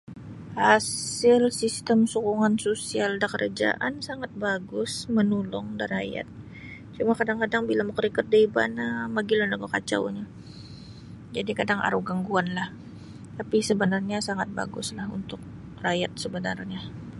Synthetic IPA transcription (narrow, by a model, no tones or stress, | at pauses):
hasɪlsist̪əmsukuŋansosialdakərʔd͡ʒa̰ʔansaŋat̪̚baɡʊsmənulɔŋdaɾaja̰t̪̚ | t͡ʃumakadaŋkadaŋbilaməkəɾikər̚daiba̰namaɡilanaɡokat͡ʃa̰wɲa | d͡ʒadikadaŋʔa̰ɾuɡaŋɡuanlah | t̪apisəbənarɲasaŋat̪̚ba̰ɡʊslahṵnt̪ʊk̚ | rajat̪̚səbənarɲa